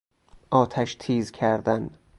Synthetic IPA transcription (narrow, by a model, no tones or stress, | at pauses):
ʔɒːt̪ʰæʃt̪ʰiːzkʰæɾd̪æn